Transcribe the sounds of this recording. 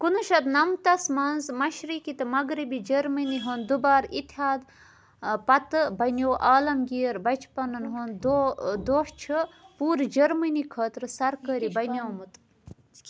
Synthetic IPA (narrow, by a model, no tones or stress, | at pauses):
kunuʃɐt̪nɐmt̪ɐsmɐnzmɐʃɾikit̪ɨmɐɡɾibid͡ʒɐɾmɐniɦond̪ubaːɾit̪ʰaːd̪ | pɐt̪ɨbɐnʲjoːʔaːlɐmɡiːɾbɐt͡ʃʰpɐnɐnɦond̪od̪oːʂt͡ʃʰɨpuːɾid͡ʒɐɾmɐnikʰɐːt̪ɾɨsɐɾkɐːɾibɐnʲjoːmut̪